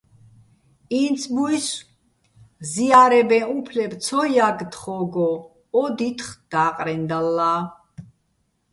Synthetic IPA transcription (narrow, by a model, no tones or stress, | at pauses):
int̪sʰbuis | ziaɾɛbɛ̃upʰlɛbt̪sʰɔjaɡd̪χɔɡɔ | ɔd̪it̪ʰχd̪̥aːqʼɾɛnd̪alːaː